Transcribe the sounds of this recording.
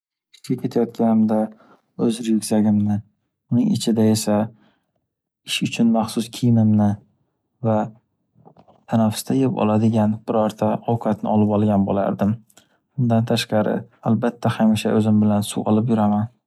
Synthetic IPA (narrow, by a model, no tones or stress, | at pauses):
ɪ̥ʃɡʲakʲʰe̞t̪ʰajɒt̪kʲʰanɪmd̪a | ɵzɾjʊkʲzaɡʲɪmnɪ | ʊnɪŋɪ̰t͡ʃʰɪd̪ae̞sa | ɪʃʊt͡ʃʰʊnmaχsʊskʲʰijmɪmnɪ | va | t̪ʰanafʊ̥st̪ʰajepɒ̰lˠad̪ɪɡʲanb̥ɪɾɒɾt̪ʰaɒwqʰɑt̪nɪ̰ɒlɪpɒlˠɡʲanbo̰la̰ɾd̪ɪm | ʊnd̪ant̪ʰaʃqɑɾɪ̰albat̪ʰːahamɪʃa̰ʔɵzɪmbɪlansuɒ̰lˠɪpjʊɾaman